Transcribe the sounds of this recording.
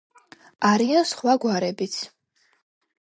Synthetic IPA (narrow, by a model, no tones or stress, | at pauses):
aɾiansχwaɡwaɾɛbit̪sʰ